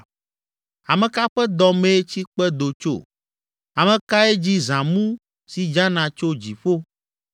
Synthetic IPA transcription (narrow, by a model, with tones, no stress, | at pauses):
a˨mẽ˨ka˦ɸɛ˦d̪ɔ˦mẽ˦t͡ɕi˦k͡pɛ˦d̪o˨t͡ʃo̰˦˨ | a˨mẽ˨ka˦e˦d͡ʑi˦zã˨mũ˦ | si˨d͡ʒa˦nã˨t͡ʃo˦d͡ʑi˨ɸo˦